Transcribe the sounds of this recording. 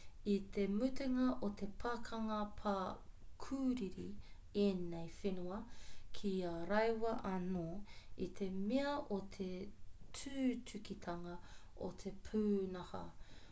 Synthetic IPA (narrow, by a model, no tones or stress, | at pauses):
it̪ʰemut̪eŋɐʔot̪ʰe̞pʰakʰɐŋɐpʰakʰuːɾiɾi | enejfenuɐkʰiaɾɐjwɐʔɐnoːit̪ʰe̞meɐʔot̪ʰetʰʉːtʰʉkit̪ʰɐŋɐ | o̰t̪ʰepʰuːnɐhɐ̰